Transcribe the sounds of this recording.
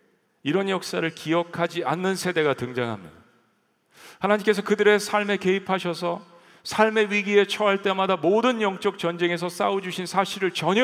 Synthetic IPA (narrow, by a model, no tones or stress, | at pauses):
iɾʌnjʌk̚s͈aɾɯɭkiʌkʰad͡ʑianːɯnsʰe̞de̞ɡatɯŋd͡ʑaŋɦa̰mɲḭda | hanaɲimk͈e̞s̬ʰʌkɯdɯɾe̞sʰaɭme̞ke̞ipʰaɕʰʌsʰʌ | sʰaɭme̞ɥiɡie̞t͡ɕʰʌɦaɭt͈e̞madamodɯnjʌŋt͡ɕ͈ʌk̚t͡ɕʌnd͡ʑe̞ŋe̞s̬ʰʌs͈aod͡ʑuɕʰinsʰaɕʰiɾɯɭt͡ɕʌɲ